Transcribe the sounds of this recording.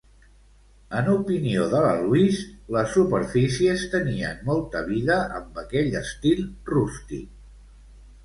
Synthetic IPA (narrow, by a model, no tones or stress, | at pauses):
ənupinioðələ̰luisləsːupəɾfisiəst̪əniə̰nmɔlˠt̪əβiðəʔəmbəkɛʎəst̪ilˠrust̪ḭ